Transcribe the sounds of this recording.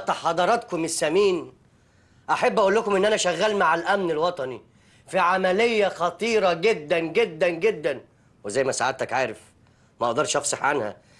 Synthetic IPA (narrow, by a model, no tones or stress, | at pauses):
t̪ˤɑħɑd̪ˤɑɾˤɑt̪komesːæmiːn | ʔaħabːʔæʔuːlːækomʔenːʔænæʃæɣːæːlmaʕalʔæmnelwɑt̪ˤɑni | fiʕamælejːæxɑt̪ˤiːɾˤɑɡed̪ːænɡed̪ːænɡed̪ːæn | wezæjmæsaʕad̪t̪ækʕaːɾef | mæʔɑʔd̪ˤɑɾˤʃʔɑfsˤɑħʕanhæ̰